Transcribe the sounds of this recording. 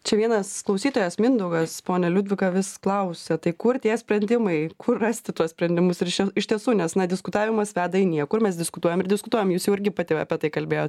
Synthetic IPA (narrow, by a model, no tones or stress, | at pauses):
t͡ʃʲɛʋʲiɛnɐsklˠɐʊsʲiːt̪oːjɛsmʲɪnd̪ɐʊɡɐspoːnʲɛlʲʊd̪ʲʋʲɪkɐʋʲɪsklˠɐʊsʲɛt̪ɐɪkʊrt̪ʲiɛsʲpʲɾʲɛnʲd̪ʲɪmɐɪkʊrrɑːsʲt̪ʲɪt̪uɔssʲpʲɾʲɛnʲd̪ʲɪmʊsɪɾɪʃʲɪʃʲt̪ʲiɛsuːnʲɛsnɐd̪ʲɪskʊt̪ɑːʋʲɪmɐsʋʲæːd̪ɐɪnʲiɛkʊrmʲɛs̬d̪ʲɪskʊt̪uɔjɛmɪɾd̪ʲɪskʊt̪uɔjɛmjuːsjɛʊɪɾʲɡʲɪpɑt̪ʲɪɐ̰pʲiɛt̪ɐɪkɐlʲbʲeːjoːt̪